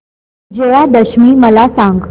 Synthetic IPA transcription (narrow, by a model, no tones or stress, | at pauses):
d͡ʑeʋad̪əɕmiːməlasãŋɡ